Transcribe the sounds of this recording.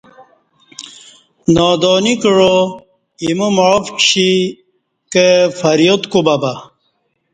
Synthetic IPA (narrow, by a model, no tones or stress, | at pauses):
naːd̪oːnikəɻo | imumɐɻfkɕi | kefɐɾjot̪kubɐba